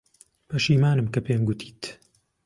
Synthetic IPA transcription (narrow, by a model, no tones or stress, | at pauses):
bɐʃiːmaːnɨmkɐpeːmɡʊt̪ʰi̥ːt̪